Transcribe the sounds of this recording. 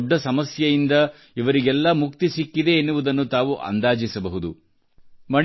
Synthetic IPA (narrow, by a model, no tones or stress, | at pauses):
ɖːɐsɐmɐsjɐjind̪ɐ | iʋɐɾiɡɛlːɐmukt̪isikːid̪e̞ːnːuʋud̪ɐnːut̪aːʋuʔɐ̰nd̪aːd͡ʒisɐbɐɦud̪u | mɐɳ